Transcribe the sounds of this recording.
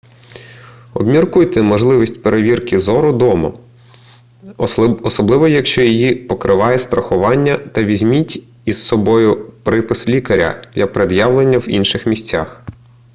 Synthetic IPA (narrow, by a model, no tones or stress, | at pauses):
ɔbmʲirkujt̪ɛmɔʒlˠɪʋʲisʲtʲpeɾeʋʲirkɪzɔɾʊd̪ɔmɐ̰ | ɔsɔblˠɪʋɔjɐkʃt͡ʃɔjijipɔkɾʔɪʋɑjɛst̪ɾɐxʊʋɑnʲːɐt̪ɐʋʲizʲmʲitʲ | issɔbɔjʊpɾɪpɪslʲikɐɾʲɐ̰dʲɐpɾed̪jɑwlˠenʲːɐwinʃɪxmʲisʲt͡sʲax